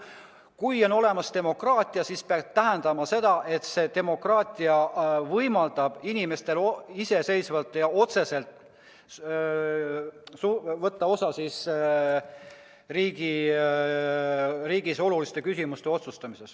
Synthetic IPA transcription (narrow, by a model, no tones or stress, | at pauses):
kujo̞no̞le̞mɑst̪e̞mo̞krɑːt̪ʲˑiɑsispeɑt̪æɦend̪̥ɑmɑse̞d̪̥ɑʔe̞t̪se̞t̪e̞mo̞krɑːt̪ʲiɑvɤjmɑld̪̥ɑb̥inime̞st̪e̞lise̞se̞jsvɑlt̪ːˑjɑo̞t̪se̞se̞lt̪ˑ | suvɤt̪ːɑo̞sɑsis | riːɡ̥i | riːɡ̥iso̞lulist̪e̞kysʲimust̪e̞o̞t̪sust̪ɑmise̞s